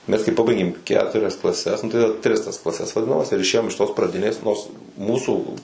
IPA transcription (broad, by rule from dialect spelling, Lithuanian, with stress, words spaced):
mʲɛs kɐɪ ˈpɑːbɐɪɡʲeːm ˈkʲæːtʊrʲɛs klˠɐˈsʲɛs ˈnʊ tɐɪ tʲrʲɪs tɐs klˠɐˈsʲɛs ʋɐˈdʲɪnɐmɐs ɪr ɪʃʲˈeːjoːm ɪʃ toːs prɐˈdʲɪnʲeːs ˈnoːrs ˈmuːsuː